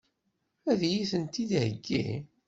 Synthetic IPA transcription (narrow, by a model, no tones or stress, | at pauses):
æðjiθənt̪id̪həɡːḭ